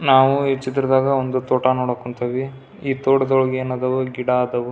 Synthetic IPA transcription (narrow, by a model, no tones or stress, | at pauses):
naːʋuɦet͡ʃːid̪ɐɾɐd̪aːɡɐond̪ut̪oːʈanoːɽokːuɳt̪ɐʋi | iːt̪oːɽɐd̪ɔɭɐɡijɐnɐd̪ɐʋuɡiɽaːd̪ɐʋu